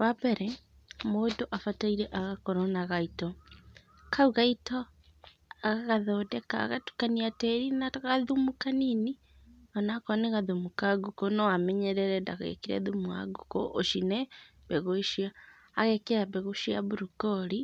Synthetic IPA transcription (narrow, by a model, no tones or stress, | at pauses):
βabeɾɛ | modoʔafataiɾɛʔaɣakoɾonaɣaito | kauɣaito | aɣaɣaðodeka̰ːɣatu̥kaniateɾinaɣaðumukanini | anakɔneɣaðumukaɡukonoamɛɲeɾɛɾɛndaɣḛkiɾa̰ðumua̰ɡuko̰ʔoʃine | beɣoʃiaː | ɣekeɾaβeɣoʃia̰βuɾukoɾi